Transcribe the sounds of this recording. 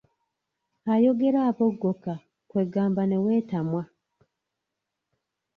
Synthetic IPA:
ajo̞ɡeɾaːpoɡːoka | kwe̞ɡaːmbanewe̞ːtamwa

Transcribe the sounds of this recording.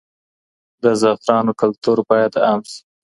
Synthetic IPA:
d̪əzɑfɾɑnokʊlt̪uɾbɑjad̪amsi̥

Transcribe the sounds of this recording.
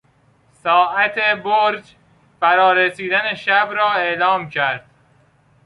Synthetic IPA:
sɒːʔæt̪ʰeboɾd͡ʒ | fæɾɒːɾesiːd̪æneʃæbɾɒːe̞ʔlɒːmcʰæɾd̪̥

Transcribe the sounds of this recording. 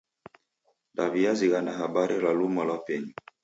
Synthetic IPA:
daviaziɣanaɦabaɾɛlalumalapɛɲi

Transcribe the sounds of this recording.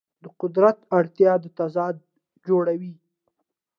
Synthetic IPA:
d̪əqʊd̪ɾat̪aɽt̪jɑd̪ət̪azɑd̪̚ | d͡ʒoɽawi

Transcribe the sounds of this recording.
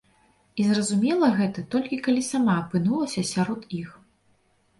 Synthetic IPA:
izrɐzumʲɛlˠɐɣɛt̪ɐt̪ɔlʲkʲikalʲisamaɐpɨnulˠɐsʲɐsʲaɾɔt̪ix

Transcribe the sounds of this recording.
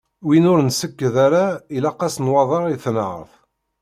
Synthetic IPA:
winʊɾnsəkːəðaɾailɑqɑsnwɑðˤɑʁiθnʕə̰θ

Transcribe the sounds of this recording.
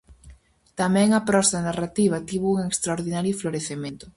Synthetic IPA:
t̪amɛ̃ŋapɾɔst̪ɐnarat̪iβ̞ɐt̪iβuuŋekst̪ɾaoɾðinaɾjofloɾeθemẽnt̪ʊ

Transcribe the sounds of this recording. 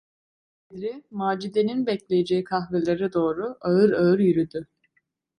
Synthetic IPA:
ɛd̪ɾimaːd͡ʒid̪eninbɛclʲejed͡ʒejikʰaxvelʲˠaɾɯd̪o̞ːɾuaɯɾaɯɾjyɾyd̪y

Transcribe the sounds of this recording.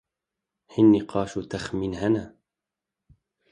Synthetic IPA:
hinːiqʰɑːʃut̪axminhana

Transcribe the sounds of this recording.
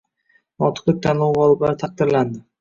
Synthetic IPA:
nɒt̪ʰɨ̥qlˠɪk̚ʲt̪ʰanlˠowʁɒlˠɪblaɾɪt̪ʰaq̚d̪ɪɾland̪ɪ

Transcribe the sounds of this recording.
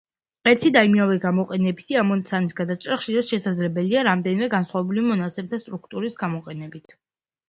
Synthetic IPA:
ɛɾt̪ʰid̪aimiavɛɡamɔqʼɛnɛbisiamɔnt̪sʰanisɡad̪at͡ʃʼɾaχʃiɾasʃɛsad̪zlɛbɛliaɾamd̪ɛnimɛɡansχwavɛbulimɔnat̪sʰɛmt̪ʰast̪ʼɾuk̚ʰt̪ʼuɾisɡamɔqʼɛnɛbit̪ʰ

